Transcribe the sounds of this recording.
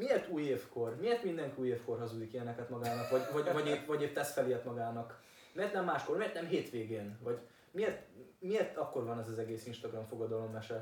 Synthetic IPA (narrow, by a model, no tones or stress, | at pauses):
miert̪uːjeːfko̞rmieːrt̪mind̪ɛŋkiuːjeːfko̞rɦɒzud̪ikiɛnɛkɛt̪mɒɡaːnɒkvɒɟvɒɟvɒɟetvɒɟeːpt̪ːɛsfɛleɛt̪mɒɡaːnɒk | meːrt̪nɛmːaːʃko̞rmieːrt̪nɛmɦeːt̪ʋeːɡeːnvɒɟ | mieːrt̪mieːrt̪ɒkːo̞rvɒnɛzɒzɛɡeːsinʃt̪ɒɡrɒmfo̞ɡɒd̪ɒlo̞mːɛʃɛ